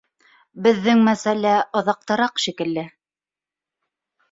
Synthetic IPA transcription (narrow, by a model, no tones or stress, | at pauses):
bɘ̆ðːɘŋmæsælæʔŏðɑq̚t̪ɤ̆ɾɑqʃikɘ̆lːɘ